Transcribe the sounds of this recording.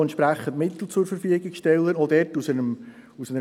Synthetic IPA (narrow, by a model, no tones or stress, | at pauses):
ɛntt͡ʃʃpɾæχːəntmɪt̪l̩t͡sʊɾfəɾfyəɡɪksʃtɛlːəɾɔd̥ɛɾtusənəm | usənə